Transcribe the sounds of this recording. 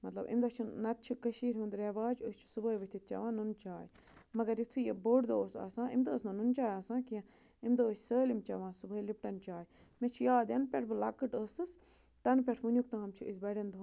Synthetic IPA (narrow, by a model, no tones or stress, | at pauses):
mɐt̪lɐ̰bḭmd̪ɐt͡ʃʰunɐt̪̚t͡ʃʰukɐʃiːɾʲɦũnd̪ɾeʋaːd͡ʒust͡ʃʰu̥subəːjʋɐt̪ʰit̪̚t͡ʃɐ̰ʋãːnunt͡ʃaːj | mɐɡɐɾit̪ʰujeboɽd̪oːsa̰ːsãːḭmd̪oːsnɐnunt͡ʃaːjaːsãːkiã | imd̪oːsʲsəːlimt͡ʃɐʋãːsubəːilip̚ʈɐnt͡ʃaːj | mẽt͡ʃʰujaːd̪jɐnpʲeʈʰbɨlɐkːɨʈəːsɨs | t̪ɐnpʲeʈʰmunʲjuk̚t̪ãːɐmt͡ʃʰuisbɐɽʲend̪u